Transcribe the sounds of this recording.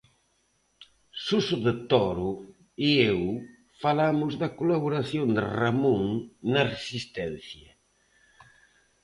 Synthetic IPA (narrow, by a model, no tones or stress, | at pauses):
susʊðet̪ɔɾʊ | iew | falamʊzðɐkolaβ̞oɾaθjond̪ɪ̰ramuŋnɐresist̪ɛn̟θjɐ